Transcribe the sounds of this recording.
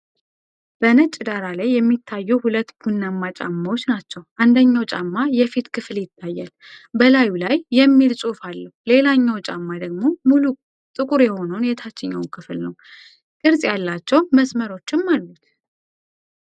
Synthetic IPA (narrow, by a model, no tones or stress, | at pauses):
b̥ənət͡ʃʼːd̪aɾalajːɛmːit̪ʰːajːuhulət̪ːbunːamːat͡ʃʼa̰mːawo̞t͡ʃːnat͡ʃːɛwʔand̪əɲːawt͡ʃʼamːajɛfit̪kʰɨfljɪt̪ʰːajːal | bəlajulajːɛmːilsʼufalːəhule̞laɲːawt͡ʃʼamːad̪əɡmo̞mulu | t̪ʼɨkʼuɾjɛho̞nuwnjɛt̪ʰat͡ʃːɪɲːawnkʰɨflnəw | kʼɨɾsʼjalːat͡ʃːɛwməsməɾo̞t͡ʃːɪmːalːut̪